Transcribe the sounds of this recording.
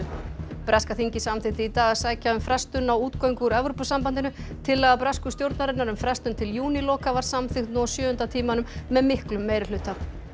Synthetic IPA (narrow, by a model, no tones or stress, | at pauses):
pɾaskaθiɲcɪsamθɪht̪ɪit̪aːɣḁsaːjcaʏmfɾɛst̪ʏnːawuːt̪kojŋkʏɾɛvɾopʏsampant̪ɪnʏt̪ʰɪlːaɣðapɾaskʏst̪jowɾt̪naɾɪnːaɾʏmfɾɛst̪ʏnt̪ʰɪljuːnilɔːkavaɾ̥samθɪxt̪nuɔsjœːʏnt̪at̪ʰiːmanʏmːɛðmɪhklʏmːejɾɪl̥ʏːt̪ːa